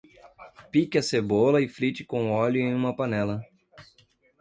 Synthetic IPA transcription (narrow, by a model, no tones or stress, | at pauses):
pikʲɐsebolɐɪfɾit͡ʃɪkõʊɔlʊẽj̃ũmɐpɐnɛlɐ